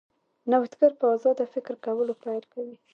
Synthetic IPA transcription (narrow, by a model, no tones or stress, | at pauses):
nawt̪ɡaɾpəazɑd̪əfɪkɾkawəlopajlkawi